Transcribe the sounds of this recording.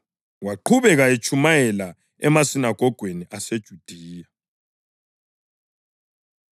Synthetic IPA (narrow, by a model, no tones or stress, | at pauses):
waǃʰuβɛɣajet͡ʃʰʼumajɛla | ɛmasinaɡ̥ʱɔɡ̥ʱweniʔased̥ʒ̥ʱud̥ʱiːja